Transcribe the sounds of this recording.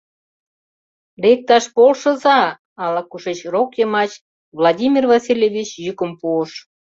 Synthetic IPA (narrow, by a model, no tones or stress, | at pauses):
lek̚t̪ɑʃpolʃə̆zɑ | ɑlɑkuʃet͡ɕrokjemɑt͡ɕ | vlɑdʲimʲirvɑsʲilʲjevʲit͡ɕjykə̆mpuəʃ